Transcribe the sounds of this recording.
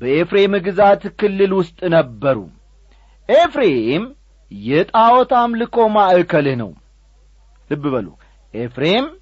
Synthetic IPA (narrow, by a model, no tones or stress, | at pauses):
bəefɾe̞mɨɡɨzat̪kɨlːɨlwʊst̪ʼnəbːəɾṵ | ʔefɾeem | jɛt̪ʼawɔt̪ʰamlɨkʰo̞maʔəkʰəlɨhnə̰w | lɨbːɨβəlṵ | ʔefɾem